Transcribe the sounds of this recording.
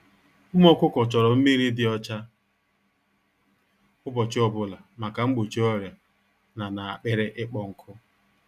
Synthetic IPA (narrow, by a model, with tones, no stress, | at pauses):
u˦m˦ɔ˦kʷʊ˦kɔ˨t͡ʃɔ˨ɾɔ˨m̩˦mi˦ɾi˦dɪ˦ɔ˦t͡ʃa˦ | ʊ˦bɔ˨t͡ʃɪ˦ɔ˦bʊ˦la˨ma˨ka˨ŋ͡m̩˦ɡ͡bo˨t͡ʃi˦ɔ˦ɾja˨ | na˨na˨a˨k͡pɪ˦ɾɪ˦ʔɪ˦k͡pɔ˦ŋ̩˨kʰʊ˦